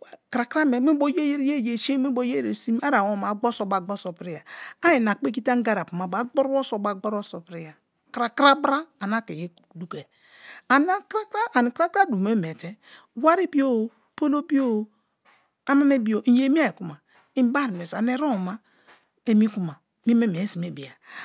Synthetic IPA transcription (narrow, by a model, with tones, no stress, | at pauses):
kɾa˨kɾa˦me˨me˦bo˦je˦je˦ɾe˦˨je˨ʃi˦e˦bo˦je˦e˨si˦m˦a˦ɾa˨wo˦ma˨ɡ͡bo˦so˨ba˨ɡ͡bo˦so˨pɾi˦ja˨a˦ji˨na˨k͡pe˦k̬i˦ta˦ŋ˦ɡa˦ɾa˨pu˨ma˨ba˨ɡ͡bo˦ɾwo˦so˨ba˨ɡ͡bo˦ɾo˦so˨pɾi˦ja˨ | kɾa˨kɾa˦bɾa˦a˨na˦ke˨je˦ | du˨ke˨ | a˨na˦kɾa˦kɾa˦ʔa˨ni˨kɾa˦kɾa˦du˨me˦m˨e˨te˦ | wa˦ɾi˦bi˦o˦˨ | po˦lo˦bi˦o˦˨ | a˦ma˦me˦bi˦o˨˦je˦mi˦a˦˨i˨ku˦ma˨ | i˦m˦ba˦ɾi˨me˨sa˨ne˦ɾo˦˨ma˦ | e˨mi˦ku˦ma˨ | mi˦me˦me˨˦si˨me˨bi˨a˨